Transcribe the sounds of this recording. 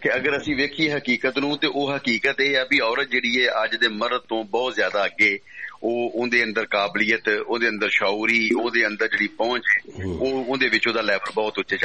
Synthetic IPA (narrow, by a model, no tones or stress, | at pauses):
keəɡəɾəsĩːʋeːkʰieːɦəkiːkət̪nũːt̪eːʔoːɦəkiːkət̪eːaːbiːɔːɾət̪̚d͡ʒeːɽiːeːʔəd͡ʒd̪eːməɾt̪õːbɔːt̪zjaːd̪aːəɡeːoːʊ̃d̪eːə̃nd̪əɾkaːblɪːət̪oːd̪eːə̃nd̪əɾʃaːuːɾiːoːd̪eːənd̪əɾd͡ʒeːɽiːpɔ̃ːt͡ʃeːoːʊd̪eːʋɪt͡ʃoːd̪aːlɛːbəlbɔːt̪ʊtːʃeːt͡ʃ